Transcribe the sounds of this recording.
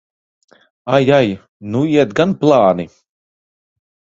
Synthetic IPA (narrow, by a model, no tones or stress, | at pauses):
ajaj | nuiɛt̪ɡanplˠaːni